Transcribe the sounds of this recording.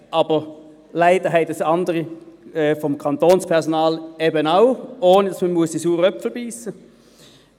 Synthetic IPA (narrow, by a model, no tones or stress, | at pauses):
ʔɑb̥əʁ | læɪd̥əɦɛɪdəsɑndəʁiɛːfɔmkʰɑnt̪oːnspʰɛʁsɔnɑːlɛbənaʊoːnədɑsmənmuəsd̥isuːʁœpfl̩biːsə